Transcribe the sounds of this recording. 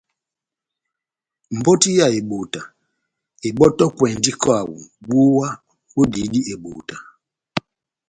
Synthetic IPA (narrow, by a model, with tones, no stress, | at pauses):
m̩˨bɔ˦ti˦ja˦˨e˨ɓo˨ta˨ | e˨ɓɔ˦tɔ˦kwɛ˨ndi˦kɔ˦a˨wṵ˨bo˦wa˦ | wo˦di˨˦di˦ʔe˨ɓo̰ː˨ta˨